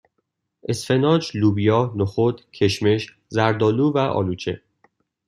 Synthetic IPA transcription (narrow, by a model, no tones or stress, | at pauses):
ʔe̞sfe̞nɒːd͡ʒluːbijɒːnoxod̪cʰe̞ʃme̞ʃ | zæɾd̪ɒːluːvæʔɒ̰ːluːt͡ʃʰḛ